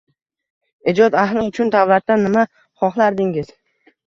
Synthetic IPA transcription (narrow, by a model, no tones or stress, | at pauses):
ed͡ʒɒt̪aɦlɪʊt͡ʃʰʊnd̪avlat̪ːanːɪma | χɒχlˠaɾd̪ɪŋɪz̥